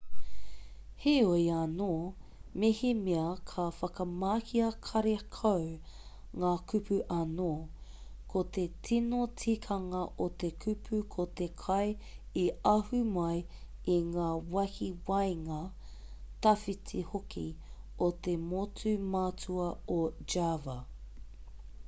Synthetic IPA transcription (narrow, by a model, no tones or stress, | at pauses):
heojanoːmehimeɐkʰɐfɐkɐmaːhiɐkʰɐɾekʰawŋaːkʉpʰʉʔɐnoː | kʰot̪et͡sʰinot͡sʰikʰɐŋɐʔot̪ekʰʉpʰʉkʰot̪e̞kʰɐj | iɐhʉmɐjiŋaːwɐhiwɐjŋɐ | tɐfitʰihokʰḭ | ot̪e̞mot͡sʉmaːt͡suɐod͡ʒavɐ